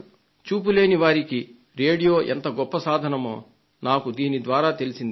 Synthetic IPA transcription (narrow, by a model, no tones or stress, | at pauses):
t͡ʃuːp̬ule̞ːniʋaːɾiki | ɾe̞ːɽijo̞ːʔent̪ɐɡɔpːɐsaːd̪ʱɐnɐmo̰ː | naːkud̪iːnid̪ʋaːɾaːt̪e̞lisind̪ii